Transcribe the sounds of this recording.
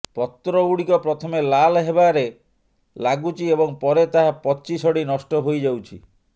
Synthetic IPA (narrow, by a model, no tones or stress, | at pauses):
pɔt̪ːɾɔuɽikɔpɾɔt̪ʰɔmelalɦebaɾe | laɡut͡ʃʰiebɔŋpɔɾet̪aɦapɔt͡ʃisɔɽinɔsʈɔɦojd͡ʒawt͡ʃʰḭ